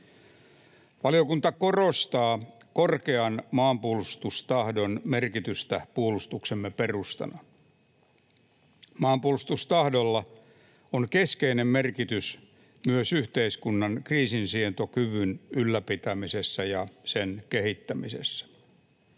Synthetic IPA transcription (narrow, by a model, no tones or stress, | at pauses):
ʋɑlijokunt̪ɑko̞rost̪ɑː | korkeɑnmɑːmpuolust̪ust̪ɑhdo̞nmerkit̪yst̪æpuolust̪uksemːeperust̪ɑ̰nɑ | mɑːmpuolust̪ust̪ɑhdolːɑ | oŋkeskeinemmerkit̪ys | myøsyht̪eiskunːɑnkriːsinsient̪okyʋynylːæpit̪æmisesːæjɑsenkehit̪ːæmise̞̰sːæ̥